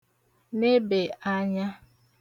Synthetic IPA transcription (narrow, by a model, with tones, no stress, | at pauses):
ne˦be˨a˦ɲa˦